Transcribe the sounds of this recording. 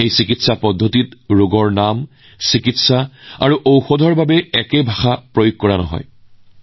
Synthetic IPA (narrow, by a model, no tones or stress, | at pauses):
ejsikitsapɔdʱːotitɹoɡɔɹnam | sikitsaa̰ɹuʔowxodʱɔɹbabɛɛkebʱaxapɹojoɡ̚kɔɹanɔ̰ɦɔ̰j